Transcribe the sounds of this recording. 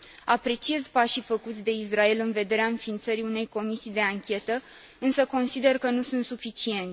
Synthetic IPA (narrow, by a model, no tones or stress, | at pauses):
apɾe̞t͡ʃie̞zpaʃifəkut̪sʲd̪e̞israe̞lɨnve̞d̪e̞ɾeaɨnfiːnt̪səɾiune̞jko̞misijd̪e̞aŋkʲe̞t̪ə | ɨnsəko̞nsid̪e̞rkənusunt̪sufit͡ʃie̞nʲ